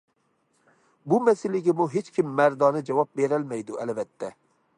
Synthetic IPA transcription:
bumɛsɪlɪɡʲɪmuɦet͡ʃkʲimːæɾd̪ɑːnɨd͡ʒɛwɑp̚beɾælmɛjd̪uʔɛlvɛt̪ʰːɛ

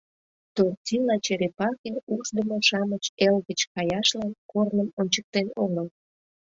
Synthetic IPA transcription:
t̪ortʲilɑt͡ɕeɾepɑkʲeuʃd̪əmoʃɑmət͡ɕelɣət͡ɕkɑjɑʃlɑnkornəmonʲt͡ɕək̚t̪enoŋəl

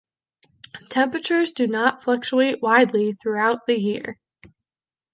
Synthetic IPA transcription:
tʰɛ̃mpɹɨt͡ʃə˞zdɨnətflʌk̚t͡ʃueɪʔwaɪdˡliθɹuaʊt̪̚ðɨjiɹ

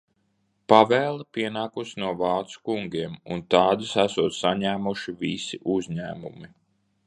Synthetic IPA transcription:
pavɛːlˠapʲiɛnaːkusinuɔvɑːt̪su̥kuŋɡʲiɛmṵnt̪ɑːd̪isæsuɔt̪ssaɲæːmuʃivisiʔuzʲɲæ̰ːmumi

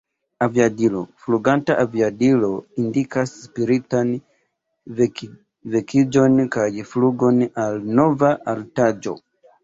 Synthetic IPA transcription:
aviadilɔfuluɡantaʔavjadilɔindikaspiɾitani | vɛkid͡ʒɔnikad͡ʒifuluɡɔnalnɔvaʔaltad͡ʒɔ̰

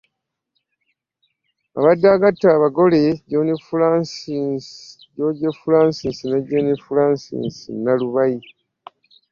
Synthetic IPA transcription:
a̰βadːaːɡatːaːβaɡo̞leɟonifulas | ɟoɟefulaːnsinsinaɟonifulaːnsḭnsinːaluβaji

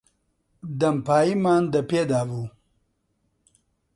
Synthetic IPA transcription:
d̪ɐmpaːimaːnd̪ɐped̪aːvu

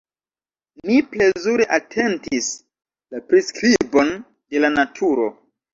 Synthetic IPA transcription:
miple̞zuɾeʔatʰe̞ntis | lapɾiskɾibo̞n | de̞lanatʰuɾo̞

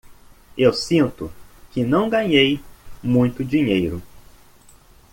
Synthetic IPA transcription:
ewsĩnt̪ʊkɪnɐ̃w̃ɡɐ̃ɲejmũj̃t̪ʊd͡ʒiɲejɾʊ

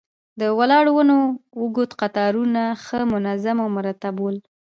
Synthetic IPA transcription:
d̪əwalɑɽwənowəɡot̪qat̪ɑɾunaxəmʊnazamawmʊɾat̪abol

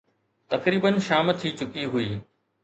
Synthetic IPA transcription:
t̪ɐkɾiːbənʃaːmt̪ʰiːt͡ɕʊkiɦʊiː

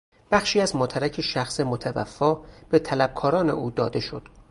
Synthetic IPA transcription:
b̥æxʃiːæzmoːt̪ʰæɾæcʰeʃæxse̞mot̪ʰævæ̰fːɒːb̥e̞t̪ʰælæb̥̚kʰɒːɾɒːne̞̰ʔuːd̪ɒːd̪e̞ʃo̞d̪̥

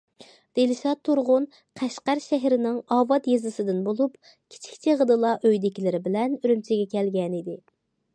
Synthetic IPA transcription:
d̪elɪʃɑt̪ʰːuɾʁʊn | qʰæʃqæɾʃɛɦɾɪnɪŋɑːvɑt̪jezɨsɨd̪ɪnbolˠup | kʲʰi̥t͡ʃʰi̥kʲt͡ʃʰiʁəd̪ɨlˠɑʔøjd̪ɪkʲilɪɾɪbɪlɛnyɾymt͡ʃʰɪɡʲɛkʲɛlɡʲɛnid̪ɪ

